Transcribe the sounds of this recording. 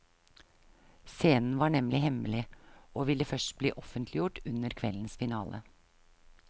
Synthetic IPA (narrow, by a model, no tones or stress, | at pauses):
seːnn̩ʋɑːɳɛmlʔɪhɛməlɪʔoːʋɪlːəfœʂʈbliːʔɔfənt̪ʰlɪjʊʈʉnəɾkʰʋɛ̰ln̩sfɪnɑːlʔə̰